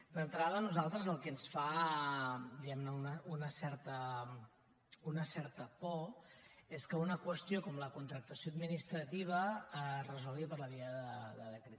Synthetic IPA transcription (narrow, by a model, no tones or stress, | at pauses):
lənt̪ɾaðənuzalˠt̪ɾəzəlˠkɛnsfa | d̪iɣɛmnəunəunəsɛɾt̪ə | unəsɛɾt̪əpɔ | eskəunəkwəst̪iokɔmləkunt̪ɾək̚t̪əsjoəd̪minist̪ɾət̪iβ̞əərəzɔlˠɣipəɾləβ̞iəðəðəðəkɾet̪